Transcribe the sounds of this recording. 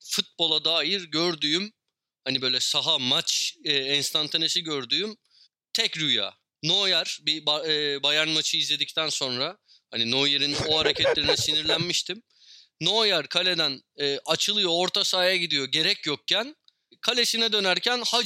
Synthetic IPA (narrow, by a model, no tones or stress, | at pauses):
fut̪̚bo̞lˠad̪aːjiɾɟøɾd̪yːym | hanibø̞jlʲɛsaɦamat͡ʃɛːɛnst̪ʰant̪ʰanesiɟø̞ɾd̪yːym | t̪ʰɛcɾyja̰ː | no̞jaɾ̥bibaːbajaɾnmat͡ʃʰɯizlʲe̞d̪ic̚t̪ʰænso̞nɾa | hanino̞jeɾinoɦaɾecʰɛt̪lʲe̞ɾinɛsiniɾlʲænmiʃt̪ʰimː | o̞jaɾkʰalʲe̞d̪ænɛːʔat͡ʃʰɯlˠɯjo̞ːɾt̪ʰasaːjaɟid̪ijo̞ɟe̞ɾɛcjok̚cʰːæn | kʰalʲe̞sinɛd̪ø̞næɾcʰænha